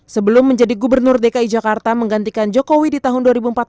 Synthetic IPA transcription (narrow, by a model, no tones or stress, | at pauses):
səbəlʊmːəɲd͡ʒadiɡubərnʊrdekaid͡ʒakart̪aməŋɡant̪ikand͡ʒokowidit̪aɦʊnduaɾibuəmpat̪̚